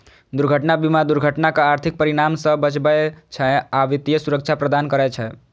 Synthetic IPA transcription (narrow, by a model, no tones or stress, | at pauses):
d̪uɾɡʱəʈnabimad̪uɾɡʱəʈnakaaɾt̪ʰik̚pəɾiɽamsə̃bət͡ʃbɛt͡ʃʰɛaʋit̪ijəsuɾəkt͡ʃʰapɾəd̪ankəɾɛt͡ʃʰɛ